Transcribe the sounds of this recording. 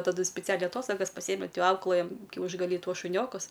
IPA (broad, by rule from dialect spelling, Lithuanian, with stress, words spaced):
tɐˈdʊ sʲpʲɪˈt͡sʲæːlʲɛɪ ɐˈtoːstoːɡɐs pɐˈsʲiɛmʲɛ ˈɐʊklˠɘjɛm kʲɛʊʒɡɐˈlʲiː ˈtuɔs ʃʊˈnʲoːkʊs